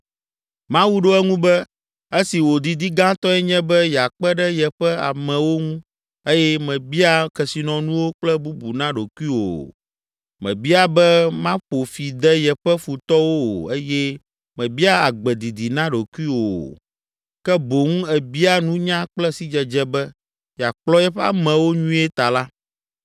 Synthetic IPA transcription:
mã˦wu˦ɖo˦ɛ˦ŋũ˦bɛ˦ | e˦si˨wo˨d̪i˨d̪i˦ɡã˦t̪ɔ˦ɛ˦ɲɛ̃˦bɛ˦jɛ˨a˨k͡pɛ˦ɖɛ˦jɛ˨ɸɛ˦a̰˨mɛ̃˨wo˦ŋũ˦ | e˦jɛ˦mɛ̃˨bi˦a˦kɛ˨si˨nɔ̃˨nũ˦wo˦k͡plɛ˦bu˦bu˨nã˦ɖo˨ku˦i˦wo̰˨ | mɛ̰̃˨bi˦a˨bɛ˦mã˦ɸo˨fi˨d̪ɛ˦jɛ˨ɸɛ˦fu˨t̪ɔ˦wo˦o̰˨e˦jɛ˦ | mɛ̃˨bi˦a˦a˨ɡ͡bɛ˨d̪i˨d̪i˨nã˦ɖo˨ku˦i˦wo̰˨ | kɛ˦bo˨ŋũ˦ɛ˨bi˦a˦nũ˦ɲã˦k͡plɛ˦si˦d͡ʒɛ˨d͡ʒɛ˦bɛ˦ | ja˨k͡plɔ˦jɛ˦ɸɛ˦a̰˨mɛ̃˨wo˦ɲũ˦ɛ˦t̪a˨la˦

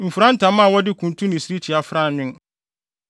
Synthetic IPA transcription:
m̩˨fu˨ɾã˦n˦tʰã˨˦mã˦˨wɔ˦dɪ˦kʰũ˨ntʰũ˦nĩ˨si˨˦ɾi˦t͡ɕʰi˨a˦fɾa˦˨nʊ̃˦n

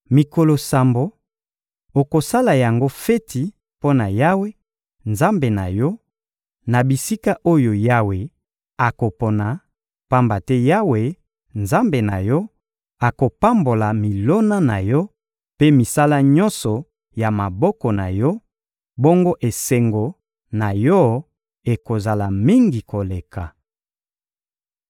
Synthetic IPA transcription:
mi˨ko˨lo˨sa˨mbo˨ | o˨ko˨sa˦la˨ja˨ŋɡo˦fɛ˦tʰi˨ | po˦na˨ja˦we˦ | nza˦mbe˨na̰˨jɔ˦ | na˨bi˨si˦ka˦ʔo˦jo˨ja˦we˨ | a˨ko˨po˨na˨ | pa˦mba˨tɛ˦ja˦we˨ | nza˦mbe˨na̰˨jɔ˦ | a˨ko˨pa˦mbo˨la˨mi˨lo˦na˦na˨jɔ˦ | pe˦mi˨sa˦la˦ɲɔ̃˦nsɔ˨ | ja˨ma˨bɔ˦kɔ˨na̰˨jɔ˦ | bo˦ŋɡo˦ʔe˨se˨ŋɡo˨ | na˨jɔ˦ | e˨ko˨za˨la˨mi˦ŋɡi˨ko˨le˨ka˨

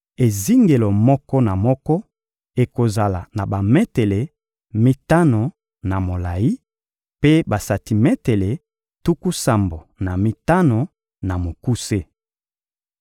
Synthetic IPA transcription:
e˨zi˦ŋɡe˨lo˨mɔ˦kɔ˦na˨mɔ˦kɔ˦ | e˨ko˨za˨la̰˨na˨ba˨me˦te˨le˨ | mi˦ta˦no˨ | na˨mo˨la˨i˦ | pe˦ba˨sa˨ti˨me˦te˨le˨ | tu˦ku˦sa˨mbo˨na˨mi˦ta˦no˨ | na˨mo˨ku˦se˦

